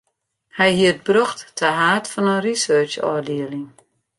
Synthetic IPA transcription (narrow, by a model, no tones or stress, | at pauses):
hɛjhiət̚brɔxtːʰəɦaːtfɔnənrisøːt͡ʃɔ̰ːdiəlɪŋ